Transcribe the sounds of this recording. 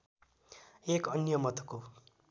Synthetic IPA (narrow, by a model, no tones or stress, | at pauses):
ekʌnjʌmʌt̪ʌ̥ko